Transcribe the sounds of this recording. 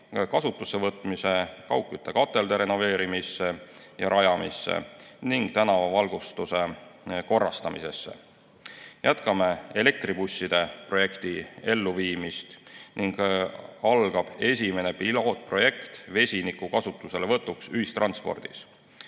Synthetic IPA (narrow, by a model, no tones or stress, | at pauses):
kɑsut̪ːˑuse̞vɤt̪ˑmise̞kɑwkːˑjut̪ːe̞kɑt̪ˑːe̞ld̪̥e̞ɾe̞no̞ve̞ːɾimisːe | jɑɾʔɑjɑmisːḛniŋɡ̥t̪ænɑvɑvɑlɡ̥ust̪use̞ko̞rːɑst̪ɑmḭse̞̰sːe̞̰ | jʔæt̪kɑme̞e̞le̞k̚t̪ribusːid̪̥e̞pro̞je̞kt̪ie̞lːuviːmist̪niŋɡ̥ɑlɡ̥ɑb̥e̞sʲime̞ne̞pilo̞ːt̪̚ˑpro̞je̞kt̪ve̞sʲinikukɑsut̪ːˑuse̞levɤt̪ːˑuksyɦist̪rɑnspo̞̰rd̪̥is